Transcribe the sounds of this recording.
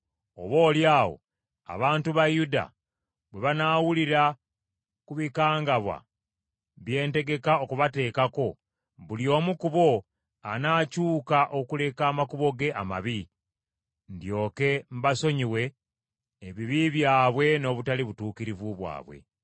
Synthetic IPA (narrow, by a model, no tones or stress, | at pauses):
o̰βo̞ːljaːwo̞̰ | a̰βaːntuβajuda̰ | βwe̞βanaːwuliɾa | kuβikaːŋɡaβwa̰ | βje̞ːnte̞ɡe̞kaokuβate̞ːkako̞ | βuljo̞ːmukuβo̞ | anaːcuːkaʔo̞kule̞kaːmakuβo̞ɡe̞ʔama̰βi | ndjo̞ːke̞m̩βaso̞ɲiwe̞ː | βiβiβjaːβwe̞no̞ːβutaliβutuːkiɾivuβwa̰ːβwe̞̰